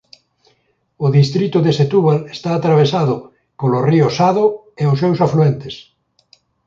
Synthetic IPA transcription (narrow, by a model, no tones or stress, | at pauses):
ʊðist̪ɾit̪ʊðeset̪uβalest̪aːt̪ɾaβ̞esaðʊ | koloriosaðʊ | eʊsewsafluent̪es